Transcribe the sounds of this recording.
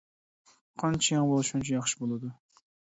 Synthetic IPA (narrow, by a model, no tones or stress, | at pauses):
qʰɑnt͡ʃʰɛjɑŋbolˠɨʃunt͡ʃʰɛjɑχʃɪ̥bolˠɨd̪u